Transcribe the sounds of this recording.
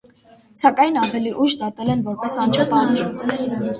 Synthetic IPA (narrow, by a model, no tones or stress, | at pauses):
sɑkɑjnɑvɛliʔuʃd̪ɑt̪ɛlɛnvɔɾpɛsɑnt͡ʃʰɛvɑsi